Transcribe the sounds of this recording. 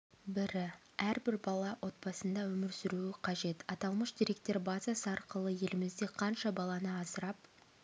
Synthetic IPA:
bɪɾɪ | æɾbɪɾbɑlˠɑwʔo̞t̪̚bɑsənd̪ɑwɵmɪɾsɪɾuɪqʰɑʒe̞t̪ɑt̪ɑlˠməʃd̪iɾe̞k̚t̪e̞ɾbɑzɑsəɑɾqəlˠəje̞lɪmɪzd̪e̞qʰɑnʃɑbɑlˠɑnəɑsəɾɑp

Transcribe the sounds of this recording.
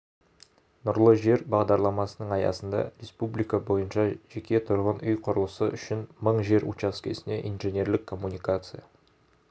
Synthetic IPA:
nʊɾlˠəʒe̞ɾbɑʁd̪ɑɾlˠɑmɑsənəɴɑjɑ̰sənd̪ɑ̰ɾʲe̞spublˠijkɑbo̞jənʃɑʒe̞kʲe̞t̪ʰʊɾʁənʏjqʰʊɾəlˠəsəʔʏʃɪnməɴʒe̞ɾṵt͡ʃɑskʲʰe̞̰sɪne̞ʔinʒenʲe̞ɾlɪkʰːo̞mːunijkat̪sɨja

